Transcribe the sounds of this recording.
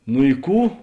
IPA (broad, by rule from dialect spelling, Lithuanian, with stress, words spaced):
nʊ ɪ ˈkuː